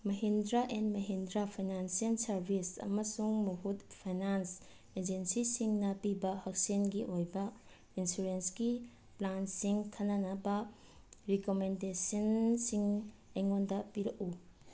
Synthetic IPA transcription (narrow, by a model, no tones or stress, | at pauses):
mɐɦindɾaʔendmɐɦindɾapʰajnansiɐlsɐɾbʱisɐ̰mɐsuŋmuɦut̚pʰajnans | ed͡ʒensisiŋnɐpibɐhɐk̚senɡiʔojbɐ | insuɾensɡi | plansiŋtʰɐnɐnɐbɐ | ɾikomendesɐnsiŋejŋondɐpiɾɐku